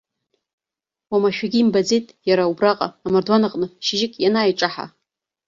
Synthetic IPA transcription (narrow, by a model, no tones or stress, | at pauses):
wamaʃᶣaɡʲiːmbad͡zejtʼjaɾaubraqʼa̰ːmardwanaqʼnɨʃɪʒɪkʲʼjanaːjʈ͡ʂʼaħa̰